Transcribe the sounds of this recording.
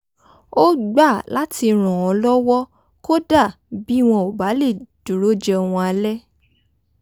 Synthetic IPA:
o˦ɡ͡ba˦˨la˨˦tʰi˧ɾ̃ɔ̃˨ɔ̃˨˧lɔ˦wɔ˦ | ko˦da˦˨ | bi˦˨w̃ɔ̃˧o˨ba˨˦le˦˨d̥u˨ɾo˨˦d͡ʒɛ˧w̃ɔ̃˧a˧lɛ˦

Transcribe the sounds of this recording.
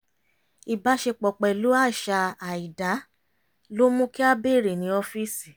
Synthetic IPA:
i˨ba˨˦ʃe˧k͡pɔ˨k͡pɛ˨lo˨˦a˦˨ʃa˧a˨i˨da˨˦ | lo˦mũ˦ki˦a˦be˦˨ɾe˨nĩ˨˦ɔ˧fi˦si˨

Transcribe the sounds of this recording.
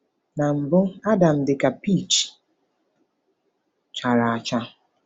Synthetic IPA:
na˨m̩˨bʊ˦a˦da˨n̩˨dɪ˨ka˨pi˦˨t͡ʃi̥˨ | t͡ʃa˨ɾa˨a˨t͡ʃa˦

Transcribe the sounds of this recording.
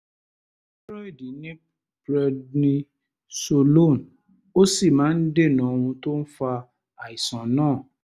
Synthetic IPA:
ɾɔ˦i˦˨di˨nĩ˦ | bɾɛ˧dnĩ˦ | so˧lo˦˨n | o˦si˦˨mãː˨˦n̩˦de˦˨nã˨˦˧wũ˧to˦n̩˦fa˧ | a˨i˨sã˨nãː˦˨

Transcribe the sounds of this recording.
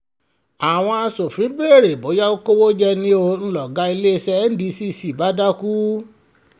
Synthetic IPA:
a˨w̃ɔ̃˧a˧so˨fɾĩ˨˦be˦e˦˨ɾe˨bo˨˦ja˦wo˦ko˦wo˦d͡ʒɛ˦˧nĩ˧o˧ñ̩˧lɔ˨ɡa˨˦i˧le˦˧sɛ˧˦n̩˦di˧si˦˧si˨ba˨˦da˦ku˦

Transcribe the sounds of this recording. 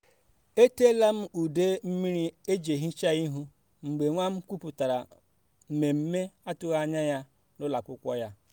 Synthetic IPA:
e˦te˦la˦m̩˦u˨de˦m̩˦mi˦ɾi˦e˦d͡ʒe˨ɦi˦t͡ʃa˦ɣi˦ɦu˦ | ŋ͡m̩˨ɡ͡be˨ŋʷa˦m̩˦kʷu˦pu˨ta˨ɾa̰˨ | m̩˨me˨m̩˦me˦a˦tʊ˦ɣa˦ɲa˦ja˦ | nʊ˦la˨kʷʊ˦kʷɔ˦ja˦

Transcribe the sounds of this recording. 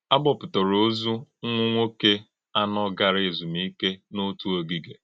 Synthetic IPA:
a˦bɔ˦˨pʊ˨tɔ˨ɾo˨˦zu˦ŋʷʊ˦ŋʷo˦ke˦ | a˦nɔ˦ɡa˨ɾe˨zu˨mi˦ke˦nʊ˦tu˦o˨ɡi˨ɡe˨

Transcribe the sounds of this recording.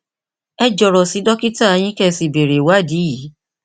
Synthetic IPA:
ɛ˦d͡ʒɔ˨ɾɔ˨si˨˦dɔ˦ki˦ta˦˨˧j̃ĩ˦kɛ˦˧si˨be˨ɾe˨wa˦˨di˨˦ji˨˦

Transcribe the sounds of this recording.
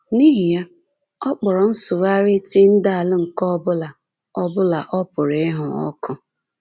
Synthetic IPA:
ni˦ɦi˨ja˦ | ɔ˦k͡pɔ˨ɾɔ˨n̩˦sʊ˨wa˦ɾɪ˦ti˦n̩˦da˦a˨lɪ˦ŋ̩˨kɔ˦bʊ˦la˨ | ɔ˦bʊ˦la˨ʔɔ˦pʊ˨ɾe˦ɦʊ˨ɔ̰˦kʰʊ˦

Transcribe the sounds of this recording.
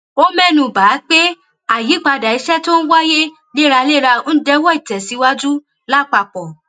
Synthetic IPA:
o˦mɛ̃˦˨nũ˧˨baː˨˦k͡pe˦ | a˦˨ji˨˦k͡pa˧da˨i˨˧˦ʃɛ˦to˦ñ̩˦wa˦je˦ | le˦ɾa˧le˦ɾa˧˦dɛ˦wɔ˦i˨tɛ˨si˨˧˦wa˦d͡ʒu˦ | la˦˨k͡pa˧˨k͡pɔ˨

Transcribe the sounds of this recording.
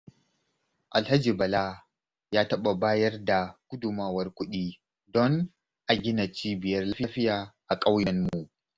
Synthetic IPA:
ʔa˨lha˦d͡ʒiː˨bɐ˨la˦ | jaː˦tɐ˦ɓa˨baː˦jɐ˦rda˨kʷʊ˦dʊ˨maː˦wɐ˦rkʷʊ˦ɗiː˦ | dɔ˦ŋ | ʔa˨ɡʲɪ˦na˨t͡ʃiː˦bɪ˨jɐ˦rla˦ɸɪ˦ɸɪ˦jaː˨ʔa˨kʼa˦wjɐ˦nmu˨ʔ

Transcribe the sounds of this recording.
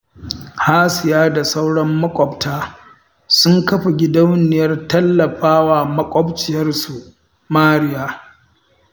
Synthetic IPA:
haː˦sɪ˨jaː˦da˨sa˦wɽɐ˦mːɐ˦kʷʼɔ˨btaː˦ | sʊ˦ŋkɐ˦ɸe˨ɡʲɪ˦dɐ˦wnɪ˨jɐ˦rtɐ˦lːɐ˨ɸaː˦waː˨mɐ˦kʷʼɔ˦bt͡ʃɪ˨jɐ˦rsu˨ | maː˦ɽɪ˨jaː˦

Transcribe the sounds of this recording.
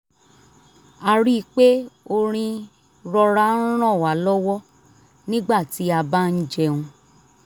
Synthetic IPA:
a˧ɾi˦˧k͡pe˦o˧ɾ̃ĩ˧ | ɾɔ˧ɾã˦ɾ̃ɔ̃˦˨wa˨˦lɔ˦wɔ˦ | nĩ˦ɡ͡ba˦˨ti˨˦a˧ba˦n̩˦d͡ʒɛ˧ũ˧

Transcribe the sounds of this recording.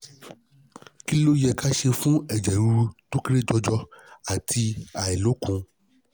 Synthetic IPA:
ki˦lo˦jɛ˨ka˦ʃe˧fũ˦ɛ˨d͡ʒɛ˨ɾu˧to˦kɾe˦d͡ʒɔ˧d͡ʒɔ˦a˨tʰi˧a˨ɛ˨lo˨˦kũ˨˦

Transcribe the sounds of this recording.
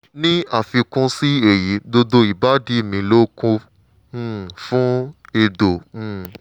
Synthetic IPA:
nĩ˦a˦˨fi˧kũ˦˧si˦e˨ji˨˦do˧do˧i˦˨ba˨˦di˦˨mĩ˧lo˦kũ˧˦ | fũ˦e˧dõ˨˦˧

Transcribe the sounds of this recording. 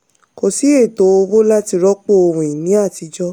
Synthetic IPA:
ko˨si˨˦e˦˨to˨˦o˧wo˦la˦ti˧ɾɔ˦k͡po˦o˧wũ˨ĩ˨nĩ˨˦a˦˨ti˧d͡ʒɔ˦

